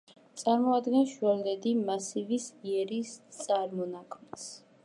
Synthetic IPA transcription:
t̪sʼaɾmɔad̪ɡɛnsʃuɛld̪ɛd̪imasivisiɛɾist̪sʼaɾmɔnakʰms

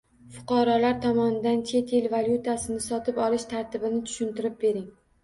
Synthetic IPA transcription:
fʊ̥qɑɾɒlaɾt̪ʰɒmɒnɪd̪ant͡ʃʰe̞t̪ʰelvalʲjut̪ʰasɪnɪsɒt̪ʰɪpɒlɪʃt̪ʰaɾt̪ʰɪbɪnɪt̪ʰʊ̥ʃɪnt̪ɪɾɪp̚be̞ɾɪŋ

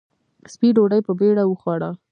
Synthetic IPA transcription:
spiɖoɽajpəbeɽawəxwɑɽa

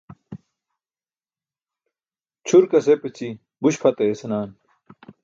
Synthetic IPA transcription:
t͡ɕʰuɾkɐsepet͡ɕi | buɕpʰɐt̪eːsɐnaːn

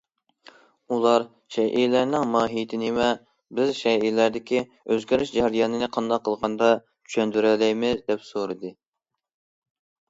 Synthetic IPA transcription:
ulˠɑɾ | ʃɛʔijlæɾnɪŋmɑːɦit̪ʰɪnɪmɛ | bɪzʃɛijlæɾd̪ɪkʲi | øzɡʲæɾɪʃd͡ʒɛɾijɑːnɨnɨqʰɑnd̪ɑqʰːəlˠʁɑnd̪ɑ | t͡ʃʰy̥ʃɛnd̪yɾɛlɛjmɪzd̪ɛpsoɾɨd̪ɨ

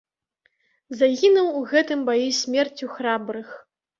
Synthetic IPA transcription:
zaɣʲinuwuɣɛt̪ɨmbajisʲmʲɛrt͡sʲuxɾabɾɨx

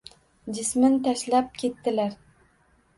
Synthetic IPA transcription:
d͡ʒɪsmɪnt̪ʰaʃlap̚kʲʰe̞t̪ːɪlaɾ

